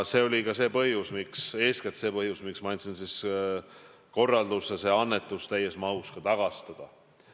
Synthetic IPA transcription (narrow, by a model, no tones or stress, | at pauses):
se̞o̞lʲikɑse̞ːpɤhjusmikse̞ːsket̪se̞ːpɤhjusmiksmɑjnʲt̪sinsis | ko̞rːɑld̪usːese̞ɑnːe̞t̪ːˑust̪æjesmɑuskɑt̪ɑɡ̥ɑst̪ɑd̪̥ɑ